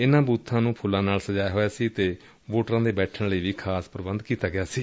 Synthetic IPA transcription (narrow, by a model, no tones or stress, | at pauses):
ɪnãːbuːt̪ʰːãːnũːpʰʊlãːnaːlsəd͡ʒaːjɦoːjaːsiːt̪eː | ʋoːʈɾãːd̪eːbɛːʈʰəɳləiːʋiːkʰaːspɾəbənd̪kiːt̪aːɡɪaːsiː